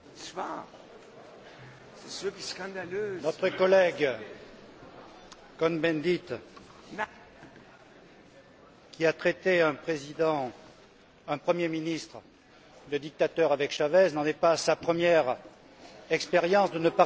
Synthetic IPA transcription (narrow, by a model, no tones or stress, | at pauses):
pa̰ | sɛsøkʲiskɑ̃d̪alønɔt̪χəkɔlɛɡ | kɔnbɛ̃d̪it̪ | kʲiat̪χɛt̪eɛ̃pχezid̪ɑ̃ | ɛ̃pχəmjeminist̪χ | d̪əd̪ik̚t̪at̪œʁavɛkʃavɛznɑ̃nɛpasapχəmjɛʁ | ɛkspeʁjɑ̃sd̪ənəpa